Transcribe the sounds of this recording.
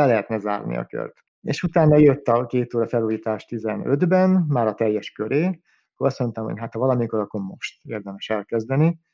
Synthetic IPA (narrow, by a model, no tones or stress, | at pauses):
ɛlɛɦɛt̪nɛza̰ːrnḭɒ̰kø̰rt̪ | ḛːʃut̪aːnːɒjøt̪ːɒkeːt̪oːɾɒfɛluːjiːt̪aːʃt̪izɛnød̪bɛnmaːɾɒt̪ɛjːɛʃkøɾeː | ɒkːoɾɒsmont̪ɛmɦo̰cɦat̪hɒvɒlɒmiko̞ɾɒkːo̞rmo̞̰ʃt̪eːrd̪ɛmɛʃɛlkɛzd̪ɛni